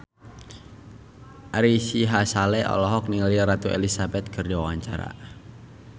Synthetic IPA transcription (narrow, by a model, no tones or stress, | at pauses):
ʔaɾisiɦasalɛʔɔ̰lɔɦɔk̚niliɾat̪uḛlisabɛt̪̚kʰərdiwawaɲt͡ʃaɾa̰